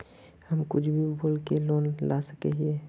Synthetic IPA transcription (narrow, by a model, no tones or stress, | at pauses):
hɐmkʊt͡ʃʰbʱibʱoːlkeloːnlasəkeɦieː